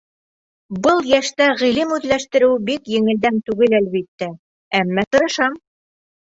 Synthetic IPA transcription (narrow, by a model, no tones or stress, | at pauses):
bɤlˠjæʃt̪æʁilɘmʉðlæʃt̪ɘ̆ɾɘwbikjɘ̆ŋɘ̆ld̪ænt̪ʉɡɘlælβit̪ːæ | æmːæt̪ɤ̆ɾɤ̆ʃɑm